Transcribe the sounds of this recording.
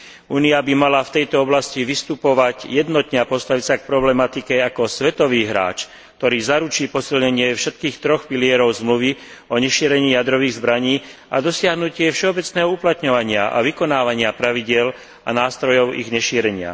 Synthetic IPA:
uːniabimalaft̪ɛjt̪ɔɔblasciʋist̪upɔʋaɟjɛd̪nɔt̪ɲɛapɔst̪aʋisak̚pɾɔblɛmat̪ikɛakɔsʋɛt̪ɔʋiːɦɾa̰ːt͡ʃ | k̚t̪ɔɾiːzaɾut͡ʃiːpɔsilɲɛɲɪɛfʃɛt̪̚kiːxt̪ɾɔxpilɪɛɾɔʊzmluʋi | ɔɲɛʃiːɾɛɲiːjad̪ɾɔʋiːɣzbɾaɲiːʔa̰d̪ɔsɪaɦnucɪɛfʃɛɔbɛt͡snɛːɦɔuplat̪ɲɔʋaɲɪaʔa̰ʋikɔnaːʋaɲɪapɾaʋiɟɪɛl | a̰naːst̪ɾɔjɔʊḭɣɲɛʃiːɾɛɲɪa̰

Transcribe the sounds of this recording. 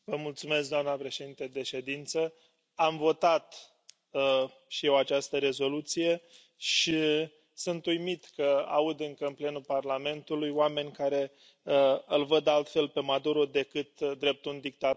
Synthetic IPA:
vəmult̪sume̞sk̚d̪oamnəpɾe̞ʃe̞d̪int̪ed̪e̞ʃe̞d̪int̪sə | amvo̞t̪at̪ | ʃije̞wat͡ʃast̪əɾe̞zo̞lut̪sije̞ | ʃi | sunt̪ujmit̪kəa̰ud̪ɨŋkəɨnple̞nuparlame̞nt̪ulujoame̞nʲkaɾe̞ | əɨlvəd̪alt̪fe̞lpe̞mad̪uɾo̞d̪e̞kɨt̪d̪ɾe̞p̚t̪und̪ik̚t̪a

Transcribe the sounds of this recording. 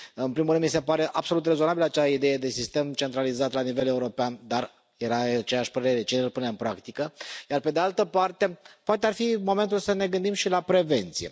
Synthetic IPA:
ɨnpɾimulɾɨnd̪mis̬epaɾe̞ʔabso̞lut̪re̞zo̞nabiləat͡ʃaid̪e̞jed̪e̞sist̪e̞mt͡ʃe̞nt̪ɾalizat̪lanive̞le̞uɾo̞peand̪ar | je̞ɾat͡ʃe̞jaʃʲpəɾe̞ɾe̞t͡ʃeɨlpuneɨnpɾakt̪ikəjarpe̞d̪ealt̪əpart̪e̞poat̪̬earfimo̞me̞nt̪̬ulsəne̞ɡɨnd̪imʃilapɾe̞ve̞nt̪sije̞̰

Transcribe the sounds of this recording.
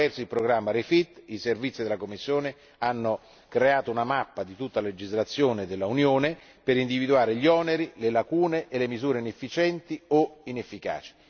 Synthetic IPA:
ɛrt̪soilpɾoɡɾamːaɾefit̪ːiservit̪sːid̪elakomːisːjoːne | anːo | kɾeaːt̪ounamapːad̪it̪ut̪ːalaled͡ʒizlat̪sːjoːned̪elːaunjoːne | peɾind̪ivid̪uaːɾeʎiɔːneɾilelakuːneʔːlemizuːɾeinefːit͡ʃɛnt̪ioinefːika̰ːt͡ʃi̥

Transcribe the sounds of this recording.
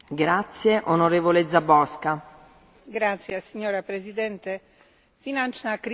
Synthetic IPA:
ɡɾat̪sːjeʔonoɾeːvoled̪zabɔska | ɡɾat̪sjesiɲːoːɾapɾezid̪ɛnt̪e | finant͡ʃnakɾ

